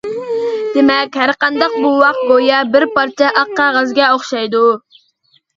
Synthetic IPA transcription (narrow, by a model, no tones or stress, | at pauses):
d̪̥emɛkʲhæɾqɑnd̪ɑq̚buwɑqt̪̚bojɑbɪɾpɑɾt͡ʃʰɛʔɑqːɑʁɑzɡʲɛoχʃɑjd̪u